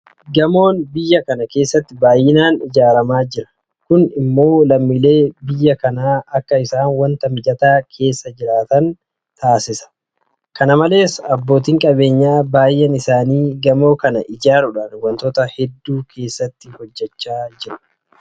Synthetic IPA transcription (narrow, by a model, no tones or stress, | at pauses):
ɡɐmo̞ːnbɪjːɐkɐnɐke̞ːsːɐt̪ːɪbaːjːɪnaːnɪd͡ʒaːɾɐmaːd͡ʒɪɾɐ̥ | kʊnɪmːo̞ːlɐmːile̞ːbɪjːɐkɐnaːɐkːɐɪsaːnwɐnt̪ɐmɪd͡ʒɐt̪aːkʰe̞ːsːɐd͡ʒɪɾaːt̪ɐn | t̪aːsɪsɐ̥ | kɐnɐmɐle̞ːsɐbːo̞ːt̪̬iːŋkʼɐbe̞ːɲːaːbaːjʔɛnɪsaːniːɡɐmo̞ːkɐnɐʔɪd͡ʒaːɾʊᶑaːnwɐnt̪ɔt̪ɐhɛd̪ːuːkʰe̞ːsːɐt̪ːɪhɔd͡ʒːɛt͡ʃːaːd͡ʒɪɾʊ̥